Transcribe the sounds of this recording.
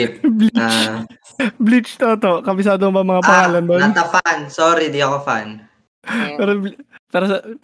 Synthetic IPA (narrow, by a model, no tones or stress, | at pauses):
blit͡ʃ | blit͡ʃt̪ot̪okɐmɪsaːd̪oŋbɐŋmɐŋapɐŋaːlɐnd̪onat̪ːɐfansoːɾid̪iɐkofa̰n | pɛːɾobpɛːɾos